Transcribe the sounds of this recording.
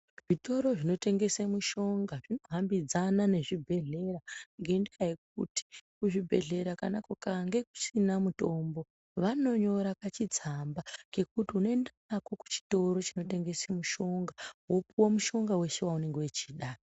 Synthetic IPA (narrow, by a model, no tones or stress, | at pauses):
ʐito̞ɾo̞ʐino̞te̞ŋɡe̞semuʃo̞ŋɡaʐino̞ɦambid͡zanane̞ʐibʱe̞ɮe̞ɾaŋɡendikajek̚uti̥kuʐibʱe̞ɮe̞ɾakanakokaŋɡe̞k̚u̥sinamuto̞mbo̞ | ʋano̞ɲo̞ɾakat͡ʃid͡zambake̞kutiunoendanako̞ku̥t͡ʃi̥to̞ɾo̞t͡ʃino̞te̞ŋɡe̞semuʃo̞ŋɡawopuwomuʃo̞ŋɡawe̞ʃewaune̞ŋɡewet͡ʃiːɗa